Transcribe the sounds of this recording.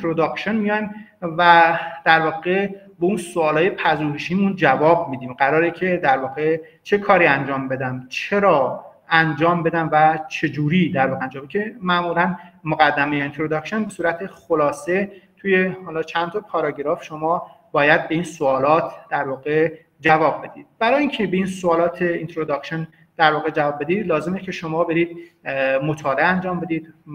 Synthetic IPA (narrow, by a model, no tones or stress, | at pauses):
t̪ʰɾod̪ɒkʃonmijɒnvæd̪̥æɾvɒːɣe̞beunsoɒːlɒːje̞pʰæʒuːheʃiːmund͡ʒævɒːb̚miːd̪iːmɢæɾɒːɾecʰe̞d̪æɾvɒːɣe̞ | t͡ʃʰe̞kʰɒːɾiːænd͡ʒɒːmbe̞d̪æmt͡ʃʰe̞ɾɒː | ænd͡ʒɒːmbe̞d̪æmvæt͡ʃʰe̞d͡ʒuːɾiːd̪æɾvɒːɣeænd͡ʒɒːmbecʰemæʔmulænmoɣæd̪ːæmejeint̪ʰɾod̪ɒkʃenbesuːɾæt̪ʰexolɒːse̞t̪ʰuje̞hɒːlɒːt͡ʃʰænt̪ʰɒpʰɒːɾɒɟeɾɒːfʃomɒː | bɒːjæd̪̚be̞iːnsoɒːlɒːt̪ʰd̪̥æɾvɒːɣe̞ | d͡ʒævɒːb̚be̞d̪iːd̪̥̚b̥æɾɒːjiːŋcʰebe̞insoːlɒːt̪ʰeint̪ʰɾod̪ɒkʃen | d̪̥æɾvɒːɣe̞d͡ʒævɒːb̚ːe̞d̪iːd̪lɒːzemecʲʰe̞ʃomɒːbe̞ɾiːd̪̥̚mo̞t̪ʰɒːleænd͡ʒɒːmbe̞d̪iːd̪